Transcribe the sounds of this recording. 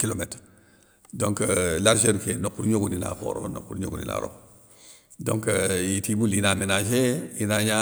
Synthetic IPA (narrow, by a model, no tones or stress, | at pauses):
kilomet | doŋkəlaɾʃeɾkenokːuɾɲoɡunina̰xo̰ɾo̰no̰kːuɾɲo̰ɡunḭna̰ɾo̰ | doŋkəjitibulinamenaʃejinaɲa